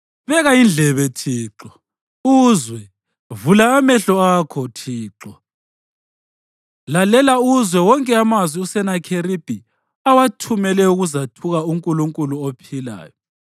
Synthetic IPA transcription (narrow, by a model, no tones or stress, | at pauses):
βɛɣaind͡ɮʱɛβɛtʰiːǁɔ | uzwɛ | vulaːmɛɬɔaːkʰɔtʰiːǁɔ | lalɛlauzwɛwɔŋkʼɛamazwiusɛnakʰeɾib̥ʱi | awatʰumɛlɛuɣuzatʰuɣauŋkʼuluŋkʼuluopʰila̰ːjɔ